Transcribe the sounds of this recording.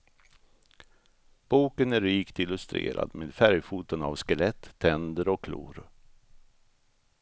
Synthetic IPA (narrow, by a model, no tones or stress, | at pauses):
b̥uːkənæɾɾiːkt̪ɪlːɵst̪ɾḛːɾa̰d̪meːd̪fæɾjfuːt̪əna̰vskəlɛt̪ʰːɛnd̪əɾɔkʰːlṵːɾ